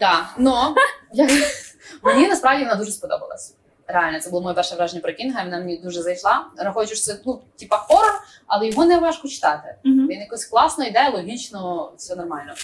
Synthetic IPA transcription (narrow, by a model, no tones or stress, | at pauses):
d̪ɑnɔjɐkmnʲinɐspɾɑvwdʲiʋɔnad̪uʒɛspɔd̪ɔ̰bɐ̰lˠɐ̰sʲ | ɾealʲnɐt̪sɛbulˠɔmɔjɔpɛrʃɛjʋɾɑʒenʲːɐpɾɔkʲinɦɐmʲinamenʲid̪uʒɛzɐjʃlˠɑɾɐxɔjɪt͡ʃɔʂt̪ɛnutʲipɐxɔɾɔ | ɐlˠɛjɔɦɔnɛʋɑʃkɔt͡ʃɪ̥t̪ɑt̪ɪʋʲinjɐkɔsʲklˠɑsnɔjid̪ɛjɐlˠɔɦʲit͡ʃnɔsʲɔnɔrmɑlʲnɔ